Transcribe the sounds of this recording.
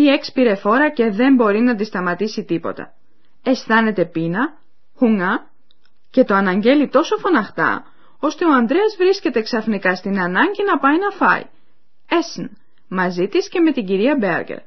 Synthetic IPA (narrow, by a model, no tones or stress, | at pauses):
ie̞kspiɾe̞fo̞ɾɐce̞ðe̞mbo̞ɾinɐt̪ist̪ɐmɐt̪isit̪ipo̞̰t̪ɐ̰ | e̞st̪ɐne̞t̪e̞pinɐ | xuŋɐ | ce̞t̪oɐnɐɲɟe̞lit̪o̞so̞fo̞nɐxt̪ɐ̰ | o̞st̪e̞o̞ɐnd̪ɾe̞ɐzvɾisce̞t̪eksɐfnikɐst̪inɐnɐɲɟinɐpɐjinɐfɐ̰ḭ | esn | mɐzit̪isce̞me̞t̪iɟiɾiɐbḛɾɡḛɾ